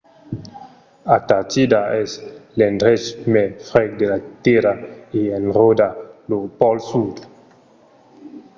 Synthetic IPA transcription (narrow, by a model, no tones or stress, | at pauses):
at̪aɾt̪id̪aɛslendɾɛt͡ʃmefɾɛkd̪elat̪eɾaienrodalopɔlsud